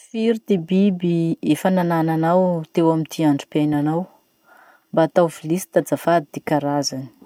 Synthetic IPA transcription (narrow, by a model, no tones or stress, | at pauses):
fiɾid̪ebibiefananananawt̪ewamint̪ʰiaɳɖ͡ʐupananaw | mbaːt̪awvilisi̥t̪ad͡zafad̪id̪̥ekaɾazani̥